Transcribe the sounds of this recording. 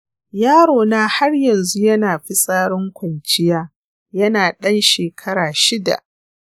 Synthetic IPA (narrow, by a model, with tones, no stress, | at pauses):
jaː˦ɽoː˨naː˦ha˦rjɐ˨nzu˦jɐ˦naː˨ɸi˦sʼaː˦ɽɪ˦ŋkʷɐ˨nt͡ʃɪ˦jaː˦ | jɐ˦naː˨ɗɐ˦nʃeː˨kʰɐ˦ɾaː˨ʃɪ˦da̰˨ʔ